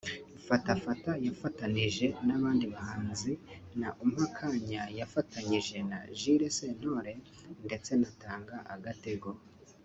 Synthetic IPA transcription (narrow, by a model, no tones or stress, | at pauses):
fatafatajafataniʒe̞naβaːndiβahaːnzinaʔum̥hakʰaɲajafataɲiʒe̞na̰ʒiɾe̞se̞n̥ho̞ɾe̞ | nde̞t͡se̞nataːŋɡaʔaɡate̞ɡo